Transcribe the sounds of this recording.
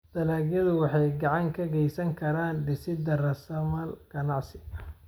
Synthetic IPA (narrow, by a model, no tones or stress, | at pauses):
d̪̥ɐlaːɣjɐðʊwɑħɑjɡɑʕɑŋkʰɐɡɛjsɐŋkʰɐɾaːnɖɪsɪd̪ɐrɐsɐmɐlɡ̥ɐnɑʕsɪɣɐ